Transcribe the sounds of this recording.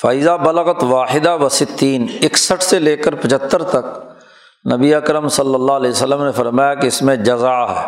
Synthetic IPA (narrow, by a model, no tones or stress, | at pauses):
faːɪzabɐləɣət̪ʋaːħɪd̪aʋɐsɪt̪ːiːnɪksəʈʰseleːkəɾpɐt͡ʃʰət̪ːəɾt̪ɐk̚ | nɐbiɐkɾəmsɐlːəlːalɛːsəlːəmnefɐɾmaːjakeɪsmẽd͡ʒɐzaːɦɛː